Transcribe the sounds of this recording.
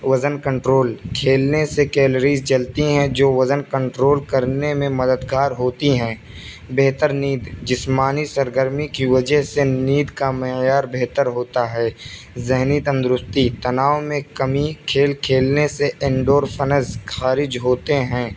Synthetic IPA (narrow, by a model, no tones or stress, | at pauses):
ʋɐzənkə̃ɳʈɾoːlkʰeːlnesekɛːləɾiːzt͡ʃɐlt̪iɦɛ̃d͡ʒoːʋɐzənkə̃ɳʈɾoːlkəɾnemẽmɐd̪əd̪ɡaːɾɦoːt̪iɦɛ̃ː | beːɦt̪əɾniːd̪d͡ʒɪsmaːnisəɾɡəɾmikiʋɐd͡ʒəɦseniːd̪kamejaːɾbeɦt̪əɾɦoːt̪aɦɛː | zɪɦnit̪ə̃nd̪ɾʊst̪it̪ɐnaːwmẽkɐmikʰeːlkʰeːlneseʔɪ̃ɳɖoːɾfənəzxaːɾɪd͡ʒɦoːt̪eɦɛ̃ː